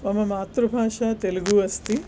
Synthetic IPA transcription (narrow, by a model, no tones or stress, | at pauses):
mɐmɐmaːt̪ɾubʱaːʂaːt̪eluɡuʋɐst̪i